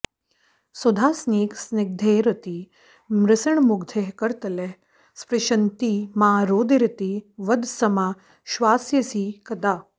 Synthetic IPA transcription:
sod̪ʱaːsniːksnɪɡ̚d̪ʱeːɾɐt̪i | mɾɪsɐɳmuɡd̪ʱeɦkɐɾt̪ɐle | spɾɪʃɐnt̪iːmaːɾoːd̪iɾit̪iʋɐd̪sɐmaː | ʃʋaːsjɐsiːkɐd̪aː

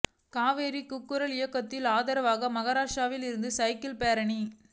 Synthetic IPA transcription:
kaːʋeːɾikʊkːɯɾɐlɪjɐkːɐt̪ːɪlaːðɐɾɐʋaːɣɐmɐɣɐɾaːʂaːʋɪlɪɾɯnd̪ɯsɐɪkɪlpeːɾɐɳi

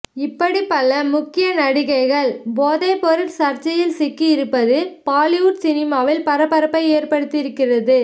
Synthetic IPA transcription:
ɪpːɐɽipːɐlːɐmʊkːɪjɐnɐɽɪɣɐɪɣɐɭboːðɐɪpɔɾɪʈsɐɾt͡ʃɐjɪlsɪkːiɪɾɯpːɐðɯpaːlɪjuʈsɪnɪmaːʋɪlpɐɾɐpːɐɾɐpːɐɪeːrpɐɽɯt̪ːɪɾɯkːɪrɐðɯ

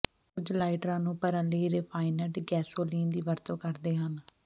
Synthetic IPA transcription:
kʊd͡ʒlaːɪʈɾãːnũːpəɾə̃ːləiːɾeːpʰaːɪnəɖɡɛːsoːliːnd̪iːʋəɾt̪õːkəɾd̪eːɦən

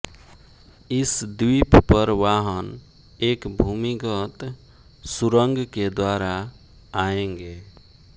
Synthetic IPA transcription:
ɪsd̪wippəɾwaɦən | eːkbʱumikət̪ | suɾəŋɡked̪waɾa | aẽŋɡe

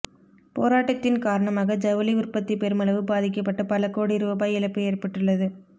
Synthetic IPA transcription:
poːɾaːʈːɐt̪ːɪnkaːɾɐɳɐmaːɣɐd͡ʒɐʋɐliʊrpɐt̪ːipɛɾɯmɐlɐʋɯbaːðɪk̬ːɐpːɐʈːɐpɐlɐkoːɽiɪɾɯʋɐpaːjɪlɐpːɯeːrpɐʈːɯɭːɐðɯ

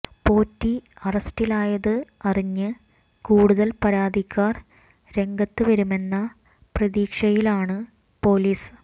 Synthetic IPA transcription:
po̞ːtːiɐrɐstilaːjɐðɨɐriɲːɨ | kuːɽuðɐlpɐɾaːd̪ikʲʰːaːr | ɾe̞ŋɡɐt̪ːɨʋɐɾume̞nːɐ | prɐðiːkʂɐjilaːɳɨ | po̞ːliːs

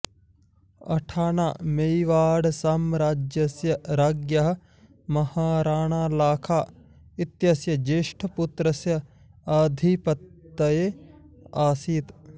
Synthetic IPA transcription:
ɐ̰ʈʰaːna̰ːmeiʋaːɽsaːmɾaːd͡ʒjɐsjɐɾaːɡjɐɦɐ̆ | mɐhaːɾaːɳaːlaːkʰaː | it̪jɐsjɐd͡ʒeːʃʈʰɐput̪ɾɐsjɐ | aːd̪ʱipɐt̪ːɐjeː | aːsiːt̪

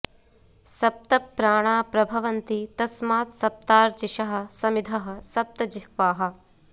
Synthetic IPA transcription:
sɐp̚t̪ɐpːɾaːɳ̃aːpɾɐbʱɐʋɐnt̪it̪ɐsmaːt̪sɐp̚t̪aːɾt͡ʃiʃɐɦɐ̆sɐmid̪ʱɐɦɐ̆sɐp̚t̪ɐd͡ʒikʋaːɦɐ̆

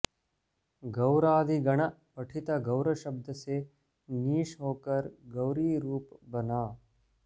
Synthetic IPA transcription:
ɡɐʊɾaːd̪ʱiɡɐɽ̃əpɐʈʰɪt̪aɡɐʊɾəʃəbd̪ʱəse | niːʃɦoːkəɾɡɐwɾiːɾuːpbɐnaː

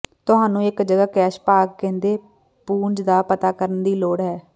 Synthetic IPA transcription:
t̪ʊɦaːnũːɪkd͡ʒəɡaːkɛːʃpaːɡkɛ̃ːnd̪eː | puːɲd͡ʒd̪aːpət̪aːkəɾənd̪iːloːɽɦɛː

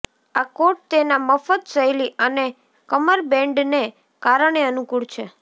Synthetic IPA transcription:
akoʈ̚t̪enaməfət̪səjliəne | kəməɾbɛ̃ɳɖne | kaɾəɳ̃eənukuɭt͡ʃʰe

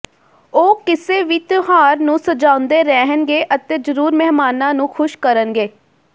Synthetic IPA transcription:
oːkɪseːʋɪt̪ɦaːɾnũːsəd͡ʒaːʊnd̪eːɾɛːɦənɡeːʔət̪eːzəɾuːɾmɛɦmaːnãːnũːkʰʊʃkəɾənɡeː

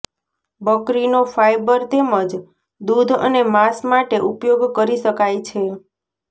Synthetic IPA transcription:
bəkɾinofajbəɾt̪eməd͡ʒ | d̪ud̪ʱə̰nemasmaʈeʔupjoɡkəɾiʃəkajt͡ʃʰe

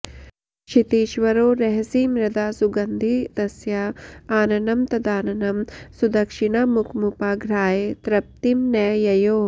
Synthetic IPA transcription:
ʃit̪iːʃʋɐɾoːɾɐɦɐsimɾɐd̪aːsuɡɐnd̪ʱit̪ɐsjɐaːnɐnɐmt̪ɐd̪aːnɐnɐmsud̪ɐkʂiɳɐmukʰmupaːɡʱɾaːjet̪ɾɐp̚t̪imnɛːjɐjoː

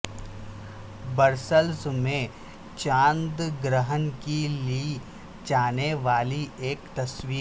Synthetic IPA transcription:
bəɾsəlsmẽ | t͡ʃãːnd̪ɡɾəɦənkili | d͡ʒaːneʋaːlieːkt̪ɐswiːɾ

